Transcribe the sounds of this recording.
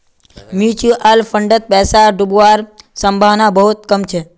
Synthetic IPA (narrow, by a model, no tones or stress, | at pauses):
mjut͡ʃuʔalfəɳɖət̪̚pɛsaɖubuaɾsəmbʱaʋnabəɦut̪̚kəmt͡ʃʰe